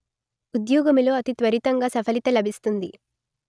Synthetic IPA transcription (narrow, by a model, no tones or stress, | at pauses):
ud̪jɔːɡɐmiloːɐt̪it̪ʋɐɾit̪ɐŋɡaːsɐpʰɐlit̪ɐlɐbʱist̪und̪i